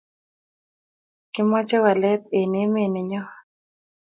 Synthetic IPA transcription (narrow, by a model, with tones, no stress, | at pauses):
kɪ˦mɔ˦t͡ʃɛ˦wa˨lɛ˦t̪e˨ne˨˦me˦˨nɪ˨ɲɔ˦